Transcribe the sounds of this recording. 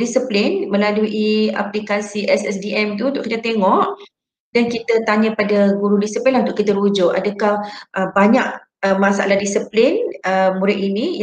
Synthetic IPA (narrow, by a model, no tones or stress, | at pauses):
disəplɪnmə̃laluʔia̰plikasiʔɛsɛsdiʔɛmt̪uunt̪ʊʔkit̪at̪eŋɔʔ | dankit̪ət̪aɲãpadaɡuɾudisəplinunt̪ʊʔkit̪əɾud͡ʒʊʔa̰dakahəbaɲaʔ | əmasaa̰lahdisəplɪnəmuɾɪʔ̪ini